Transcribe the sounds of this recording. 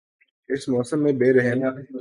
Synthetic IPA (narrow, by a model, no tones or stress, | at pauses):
ɪsmɔːsəmːẽbeːɾɛɦma